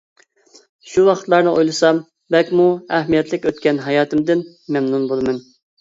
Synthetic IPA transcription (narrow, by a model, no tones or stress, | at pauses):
ʃuwɑqʰə̥t̪lˠɑɾnɨʔojlˠɨsɑm | bɛlkʲmuæhmijɛt̪ʰlɪkʲøt̪̚kʲɛnɦɑjɑːt̪ʰɪmd̪ɪn | mɛmnunbolˠmɨn